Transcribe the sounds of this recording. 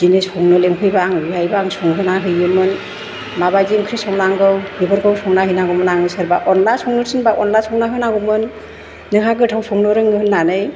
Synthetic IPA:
d͡ʒinesɔŋnɯlemkʰɯjbaŋbiɦajbaŋsɔŋɦɯnaɦɯjɯmɯn | mabajd͡ʒiŋkʰɾisɔŋnaŋɡɯwhɯbɯɾkʰɯwsʰɔŋnaɦɯnaɡɔmɯnaŋɯsɯɾbaʔɔnlasɔŋnɯɾsʰɯnbaʔɔnlasʰɔŋnaɦɯnaɡumɯnː | ɯɦaɡɯtʰawsʰɔŋnɔɾɯŋnɯhɯlnanɯj

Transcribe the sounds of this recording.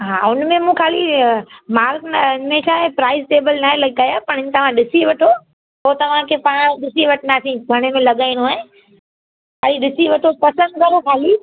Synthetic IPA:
ɦaːʊnmẽmũkʰaːlimaːlknmẽʃaẽpɾaːɪsʈeːbəlnaːelɐɠɡaːjapɐɾɪɲt̪ɐʋ̤ãɗɪsiʋɐʈʰo | ɦot̪ɐʋ̤ãkʰepãːɗɪsiʋɐʈʰnaːsĩɡʱɐɽ̃emẽlɐɠaːĩnoaːẽ | kʰaːliɗɪsiʋɐʈʰopɐsə̃nd̪̚kɐɾokʰaːli

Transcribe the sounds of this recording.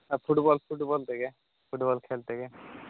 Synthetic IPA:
fʰuʈbɔːlpʰuʈbɔlt̪eke | pʰʊʈbɔːlkʰeːlt̪eke

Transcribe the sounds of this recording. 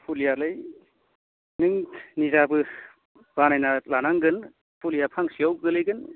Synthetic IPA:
pʰulijalɯj | nɯŋnizabɯ | b̥anajnalanaŋɡɯn | pʰulijapʰaŋsiawɡɯlɯjɡɯn

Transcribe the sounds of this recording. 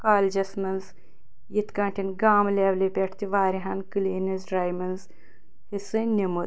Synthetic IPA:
kaːld͡ʒɐsmɐnz | jit̪kɐ̃ːɳʈʰinɡaːmleʋlipʲeʈʰt̪iʋaːɾiɦɐːnkɨliːnɐzɾaːjmɐnz | hisɨnimud̪

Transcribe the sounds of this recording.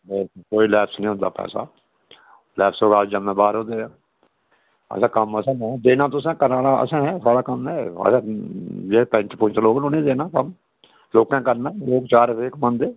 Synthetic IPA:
lɛːkoːiːlɛːpʰsnĩːɦʊ̃nd̪a̰ːpɛ̰ːsa̰ː | lɛːpsoːɡaːld͡ʒəmẽːbaːɾɦõːd̪eːãː | ə̰sãːkəməsãːd̪eːnãːt̪ʊsãːkəɾaːɽãːə̰sãːɦɛːsaːɽaːkəmɦɛːə̰sãːd͡ʒeːpə̃ɲt͡ʃpʊɲt͡ʃloːɡnõːnĩːd̪eːnãːkəm | loːkãːkəɾnaːloːkt͡ʃaːɾseːkmənd̪eː

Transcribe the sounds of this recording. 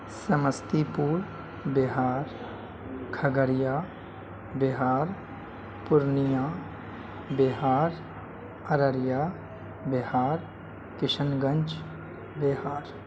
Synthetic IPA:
səməst̪ipuːɾ | bɪɦaːɾ | kʰəɡəɾijaː | bɪɦaːɾ | pʊɾnijaː | bɪɦaːɾ | əɾəɾjaː | bɪhaːɾ | kɪʃənɡə̃nt͡ʃ | behaːɾ

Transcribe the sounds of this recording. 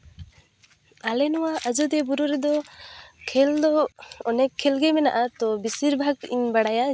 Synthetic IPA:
alɛnɔwaʔad͡ʒud̪ɛbuɾuɾɛd̪ɔkʰɛld̪ɔɔnɛkʰːɛlɡɛmɛna̰ʔat̪ɔbisiɾbʱaɡiɲbaɽaja

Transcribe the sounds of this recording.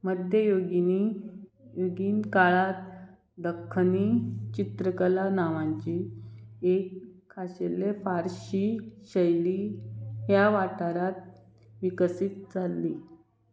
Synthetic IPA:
məd̪ʱjəjoɡini | joɡiːnkaɭat̪ | d̪əkʰːnit͡ɕit̪ɾəkəlanaʋãɲt͡ɕi | ekʰːaɕelefaɾɕiɕəjliːɦjaʋaʈaɾat̪̚ | ʋikəsit̪̚d͡zalːi

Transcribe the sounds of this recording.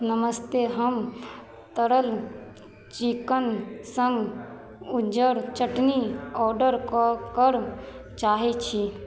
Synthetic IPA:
nəməst̪eɦəm | t̪əɾəl | t͡ʃikənsə̃ŋɡ | ʊd͡ʒəɾt͡ʃəʈniɔːɾɖəɾkkəɾt͡ʃaːɦet͡ʃʰi

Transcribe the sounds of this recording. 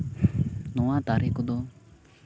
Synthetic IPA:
nɔwat̪aɾikɔd̪ɔ

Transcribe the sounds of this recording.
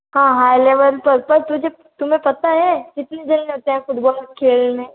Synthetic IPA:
ɦãːɦaːjleːʋəɾpɐɾpɐɾt̪ʊd͡ʒe | t̪ʊmẽpɐt̪aɦɛd͡ʒɪt̪ned͡ʒɐlneɦoːt̪eɦɛ̃xʊd̪baːlkʰeːlnẽː

